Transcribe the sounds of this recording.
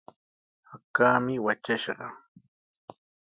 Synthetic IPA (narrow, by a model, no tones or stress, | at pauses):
hakaːmɪwat͡ʃaʃɢɑ